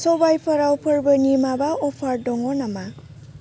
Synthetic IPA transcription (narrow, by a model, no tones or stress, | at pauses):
sɔbajpʰʌɾawpʰʌɾbənimabaɔpʰaɾdɔŋɔnama